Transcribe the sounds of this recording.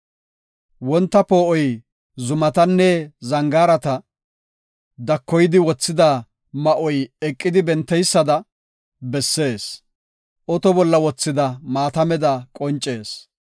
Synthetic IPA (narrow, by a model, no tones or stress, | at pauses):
wɔnt̪ːɐpoːʔɔj | zʊmɐt̪ɐnːɛzɐŋɡaːɾɐt̪ɐ | d̪ɐkːɔjɪd̪ɪwɔt͡sːɪd̪a | mɐʔɔjɛkʼːɪd̪ɪbɛnt̪ːɛjsːɐd̪ɐ | bɛsːe̞ːs | ʔɔt̪ɔbɔlːɐwɔt͡sːɪd̪ɐmaːt̪ɐmɛd̪ɐkʼɔnt͡ʃʼːe̞ːs